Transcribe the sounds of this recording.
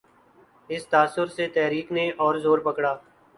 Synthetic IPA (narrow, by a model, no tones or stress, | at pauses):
ɪst̪aːsʊɾset̪ɛɦɾiːkneɔːɾzoːɾpəkɽaː